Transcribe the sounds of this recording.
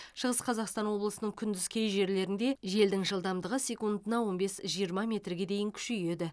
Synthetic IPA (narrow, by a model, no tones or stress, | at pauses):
ʃəʁəsqʰɑzɑqst̪ɑnwo̞blˠəsənəɴkʲʰʏnd̪ɪz̥kʲʰe̞jʒe̞ɾle̞ɾɪnd̪e̞ʒe̞ld̪ɪŋʒəlˠd̪ɑmd̪əʁəsʲe̞kund̪ənɑwo̞nbe̞sʒijəɾmɑmʲe̞t̪rɡʲe̞d̪e̞jɪŋkʲʰʏ̥ʃeje̞d̪ɪ